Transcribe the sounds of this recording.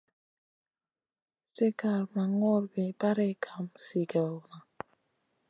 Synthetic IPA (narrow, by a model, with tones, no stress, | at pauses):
se˦ka˨ɾma˨ŋɔ˦ɾbɛ˨ba˦ɾɛ˦˨kʰa˨msi˨ɡa˨wna˨